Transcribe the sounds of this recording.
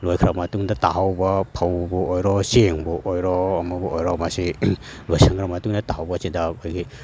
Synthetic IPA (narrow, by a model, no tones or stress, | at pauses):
lojkʰɾamɐtuŋdɐtaɦawbɐpʰɐwbuojɾɔseŋbuʔojɾɔɐmɐbuojɾɔmasilojsaŋɡɾamɐtuŋdɐtahawbɐsidɐkojɡi